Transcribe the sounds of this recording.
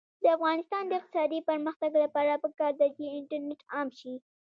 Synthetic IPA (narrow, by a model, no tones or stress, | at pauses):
d̪əafɣɑnɪst̪ɑnd̪əɪq̚t̪ɪ̥sɑd̪ipəɾməxt̪aɡlapɑɾapəkɑɾd̪at͡ʃeɪɳʈaɾneʈɑmʃi